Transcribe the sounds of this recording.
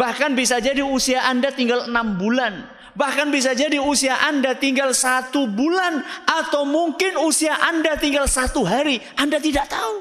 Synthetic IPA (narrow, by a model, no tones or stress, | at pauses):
bahkanbisad͡ʒadiusiaʔandat̪iŋɡalənambulan | bahkanbis̬ad͡ʒadiusiaʔandat̪iŋɡalsat̪ubulanʔat̪awmuŋkɪnusiaʔandat̪iŋɡalsat̪uɦaɾiʔandat̪idaʔt̪au